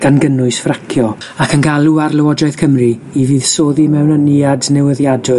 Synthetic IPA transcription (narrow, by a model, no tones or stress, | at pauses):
ɡ̥anɡənʊɨsfrakʰjɔ | akʰənɡalˠuarlˠɛwɔd͡ʒaɨð̥kʰəmriiviːð̥soːðimɛwnəniadnɛwəðjadʊ